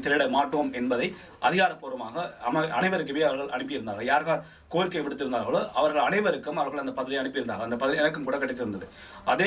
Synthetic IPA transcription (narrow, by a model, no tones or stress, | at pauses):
t̪ɪɾɐɽɐmaːʈːɐʋɐːmɛnbɐðɐɪ | ʔɐðɪɣaːɽɐpːoːɾɐmaːɣɐɐmɐʔɐnɐɪʋɐɾɯkːɯʋeːɐʋɐɾɣɐɭʔɐ̰ɳɯpːɪjɪɾɯnd̪aːɣɐjaːɾɣaːɾ | koːjɪlkɐːpːɪɽɯt̪ːɪɾɯnd̪aːɣɐɭoːʔɐʋɐɾɣɐɭɐnɐɪʋɐɾɯkːɯmɐʋɐɾɣɐɭɐnd̪ɐpɐðɪlɪjɐnɯpːɯjɾɯnd̪a̰ːɣɐnd̪ɐpɐðɪlɪɛnɐkːɯmkuːɽɐkɐʈːɪt̪ːɪɾɯnd̪ɐðɯ | ʔɐðeː